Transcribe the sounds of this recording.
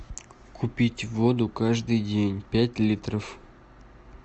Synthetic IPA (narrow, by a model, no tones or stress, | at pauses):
kʰupʲitʲvod̪ukaʐd̪ɨjdʲenʲpʲætʲlʲit̪rəf